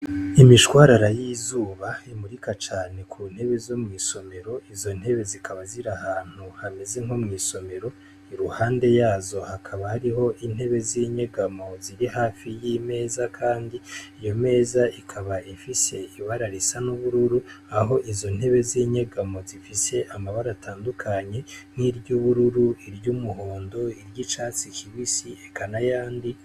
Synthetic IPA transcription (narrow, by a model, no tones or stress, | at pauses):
imiʃwaːɾaɾajiːzuːβaimuɾikat͡ʃaːne̞kʰun̥he̞βe̞zomŋiːso̞me̞ɾo̞izo̞n̥he̞βe̞zikʰaβaziɾahaːn̥uhameze̞ŋhomŋiːso̞me̞ɾo̞ | iɾuhaːnde̞jaːzo̞hakʰaβahaɾiɦo̞ʔin̥he̞βe̞ziɲeɡamo̞ziɾihaːfijime̞ːzakʰaːndiːjo̞me̞ːzaikʰaβaifise̞iβaɾaɾisanuβuɾuɾuaɦo̞ʔizo̞n̥he̞βe̞ziɲe̞ɡamo̞zifise̞ʔamaβaɾataːndukʰaɲe̞n̥iɾɟuβuɾuɾuiɾjuːmuɦoːndo̞iɾɟit͡ʃaːt͡sikʰiwisiekanajaːndi